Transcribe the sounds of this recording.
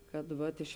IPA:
ˈkɐt ˈʋɐt ɪʃ

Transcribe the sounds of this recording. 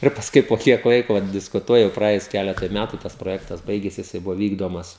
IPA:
ɪr pɐsˈkʊɪ poː ˈkʲiɛk ˈlˠɐɪkoː ʋɐt dʲɪskʊˈtuɔjɛm prɐˈeːjʊs ˈkʲæːlʲɛtʊɪ ˈmʲætʊ tɐs proːˈjæːktɐs ˈbɐɪɡʲeːsʲɪ jɪˈsɐɪ ˈbʊʋoː ˈʋʲiːɡdoːmɐs

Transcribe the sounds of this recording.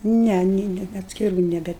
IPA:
ˈnʲɛ nʲeː ˈnʲɛ ɐtʲsʲkʲɪˈruː nʲɛˈbʲɛ

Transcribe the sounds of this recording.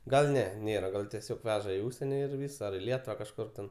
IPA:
ɡɐlˠ ˈnʲɛ ˈnʲeːrɐ ˈɡɐlˠ tʲiɛˈsʲoːk ˈʋʲæːʒɐ iː ˈʊʃʲsʲiɛnʲɪ ɪr ˈʋʲiːs ɐr ɪ ˈlʲiɛtʊʋɐ kɐʃˈkʊr tʲɛn

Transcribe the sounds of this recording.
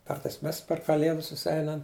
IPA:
ˈkɐrtɐɪs ˈmʲɛs pʲɛr kɐˈlʲeːdʊs sʊˈsʲɛɪnɐm

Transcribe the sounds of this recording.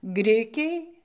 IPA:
ˈɡrʲɪkʲɛɪ

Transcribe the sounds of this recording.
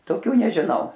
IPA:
toːˈkʲuː nʲɛʒʲɪˈnɐʊ

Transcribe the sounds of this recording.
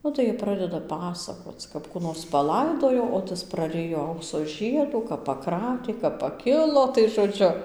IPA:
ˈnʊ tɐɪ jiɛ ˈprɑːdʲɛdɐ ˈpɑːsɐkoːt͡s kɐp ˈkuː noːrs pɐˈlˠɐɪdoːjoː oː ˈtɐs prɐˈrʲɪjoː ˈɐʊksoː ˈʒʲiɛduː kɐp pɐˈkrɑːtʲeː kɐp pɐˈkʲɪlˠoː tɐɪ ʒoːˈd͡ʒʲʊ

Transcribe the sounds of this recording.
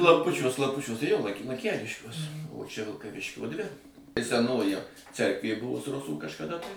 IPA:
klˠɐmˈpʊt͡ʃʲuɔs klˠɐmˈpʊt͡ʃʲuɔs tɐɪ ˈjoː lˠɐn lˠɐŋʲˈkʲæːlʲɪʃʲkʲuɔs oː ˈt͡ʃʲɛ ʋʲɪlˠkɐˈʋʲɪʃʲkʲoː ˈdʲʋʲɪ ɪ sʲɛˈnoːjɪ ˈt͡sʲɛrkʋʲeː ˈbʊʋʊs ˈrʊsuː kɐʃkɐˈdɐ tɐɪ

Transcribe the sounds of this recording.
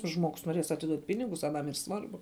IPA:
ˈʒmoːɡʊs noːˈrʲeːs ɐtʲɪˈduɔtʲ ˈpʲɪnʲɪɡʊs ɐˈnɐm iːr ˈsʋɐrbʊ

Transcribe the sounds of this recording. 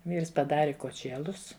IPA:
ˈʋʲiːrs pɐˈdɑːrʲɪ koːˈt͡ʃʲeːlˠʊs

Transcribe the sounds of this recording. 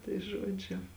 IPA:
tɐɪ ˈʒuɔd͡ʒʲʊ

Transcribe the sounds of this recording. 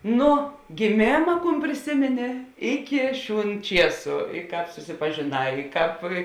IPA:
ˈnʊ ɡʲɪˈmʲeːmɐ ˈkuːn pʲrʲɪˈsʲɪmʲɪnʲɪ ˈɪkʲɪ ˈʃʲuːn ˈt͡ʃʲiɛsʊ ɪ ˈkɑːp sʊsʲɪpɐʒʲeːˈnɑː ɪ ˈkɑːp

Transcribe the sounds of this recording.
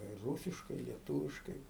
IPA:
ɪr ˈruːsʲɪʃkɐɪ ɪ lʲiɛˈtuːʋʲɪʃkɐɪ

